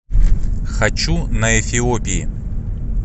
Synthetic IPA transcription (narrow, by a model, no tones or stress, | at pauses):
xɐt͡ɕunɐɛfʲɪopʲɪjɪ̰